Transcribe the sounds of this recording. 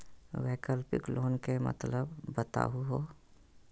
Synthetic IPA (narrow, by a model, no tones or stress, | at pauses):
ʋeːkəlpɪ̰klʔoːnkemə̰t̪ləbːət̪a̰ːɦuɦoː